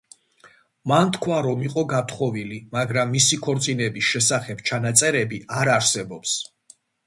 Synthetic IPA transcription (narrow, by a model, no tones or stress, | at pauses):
mant̪ʰkʰwaɾɔmiqʼɔɡat̪ʰχɔvilimaɡɾamːisikʰɔɾt̪sʼinɛbisʃɛsaχɛb̥t͡ʃʰanat̪sʼɛɾɛbiaɾaɾsɛbɔps